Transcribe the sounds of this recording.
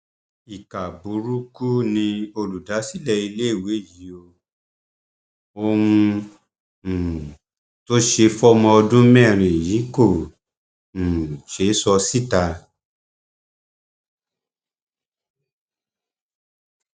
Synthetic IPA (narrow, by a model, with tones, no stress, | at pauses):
i˨ka˨bu˨˦ɾu˦ku˦nĩ˧o˧lu˨da˨˦si˦lɛ˦˨i˧le˦i˦˨we˨˦˨ji˨˦o˧ | o˧wũ˧˨ | to˦ʃe˧fɔ˦mɔ̃˧ɔ˧dũ˦mɛ̃˦˨ɾ̃ĩ˨jĩ˨˦ko˦˨ | ʃe˨˦sɔ˧si˦˨ta˧